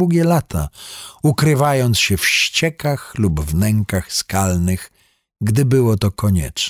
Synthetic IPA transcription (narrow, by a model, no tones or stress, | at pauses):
uɡʲɛlat̪ʰa̰ukɾɘvajɔnt̪sɕɛfɕt͡ɕɛkaxlubvnɛŋkaxskalnɘx | ɡd̪ɘbɘwɔt̪ɔkɔɲɛ̰t͡ʂ